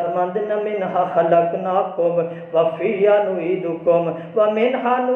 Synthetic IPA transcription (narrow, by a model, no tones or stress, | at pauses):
ɾmɐ̃nd̪nɐmɪnɦãxɐləknaːkom | ʋafʰijanũːiːd̪ukom | ʋamɪnɦaːnũː